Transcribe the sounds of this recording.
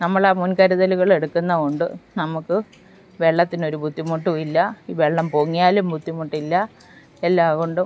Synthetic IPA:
nɐmːɐɭaːmunkɐɾɐðɐluɣɐɭe̞ɽukːunːɐkoɳɖɨ̰nɐmukːɨ | ʋeɭːɐt̪ːino̞ɾubʱud̪ʱːimuʈːuilːɐiːʋeɭːɐmpo̞ːŋːijaːlumbʱud̪ːimoʈːilːɐ | elːaːɣoɳɖɨ

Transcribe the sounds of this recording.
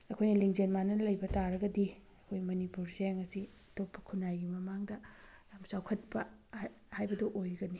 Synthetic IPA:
ɐkʰojnɐliŋd͡ʒenmanɐlɐjbɐtaɾɐɡɐdi | ɐkʰojmɐnipuɾseaŋɐsi | ɐtopːɐ̥kʰunajɡimɐmaŋdɐjamsawkʰɐt̚pɐ | hajbɐdɐʔojɡɐni

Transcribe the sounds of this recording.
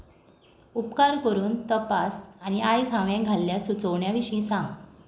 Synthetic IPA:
upkaɾkəɾuːnt̪əpasañiajsãʋjẽɡʱalːjasut͡səʋɳjaʋiɕĩːsãŋɡ

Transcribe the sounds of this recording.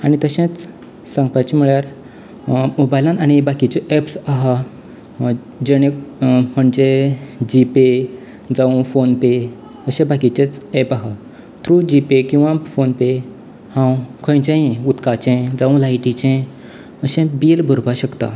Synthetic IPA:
aɽ̃it̪əɕẽt͡s | sãŋɡpat͡ɕimiɭjaɾ | mobajlãnaɽ̃ibakit͡ɕeʔɛpsaɦa | d͡ʑeɽ̃ẽkm̤əɳd͡zed͡ʑipe | d͡zaũfonpe | əɕẽbakit͡ɕẽt͡sɛpaɦa | t̪ʰɾud͡ʑipekĩw̃ʋãfonpe | hãwkʰə̃j̃t͡ɕẽut̪kat͡ɕẽd͡zaũlaiʈit͡ɕẽ | əɕẽbilbʱuɾbaɕəkt̪a̰

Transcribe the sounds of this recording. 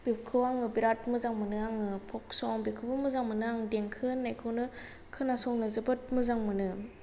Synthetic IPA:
b̥iwkʰɯwaŋɯbiɾat̚mɯzaŋmɯnɯaŋɯpʰɔk̚sɔwaŋbikʰɯbɯmɯzaŋmɯnɯaŋdeŋkʰɯnːajkʰɯwnɯ | kʰɯnasɔŋnɯzɯbɯt̚mɯzaŋmɯnɯ

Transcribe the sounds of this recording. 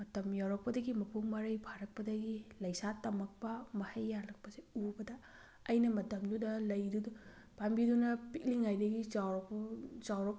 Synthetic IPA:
mɐtɐmjawɾɐk̚pɐdɐɡimɐpʰuŋmɐɾɐjpʰaɾɐk̚pɐdɐɡilɐjsatɐmɐk̚pɐmɐhɐjːalɐk̚pɐseubɐdɐː | jnɐmɐtɐmdudɐlɐjdud | pambidunɐpik̚liŋajdɐɡit͡ʃa | t͡ʃawɾok̚

